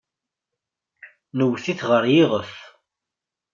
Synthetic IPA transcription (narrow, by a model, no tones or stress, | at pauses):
nəwθiθʁəɾjɪʁəθ